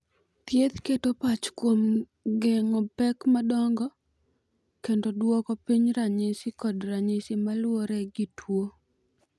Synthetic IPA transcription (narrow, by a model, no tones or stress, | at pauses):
t̪jet̪ketopat͡ʃkwom | ɡeŋɔpɛkmadɔŋɡɔ | kendodwɔkɔpiɲɾaɲɪsɪkɔdraɲɪsɪmalwoɾɛɡitʰwo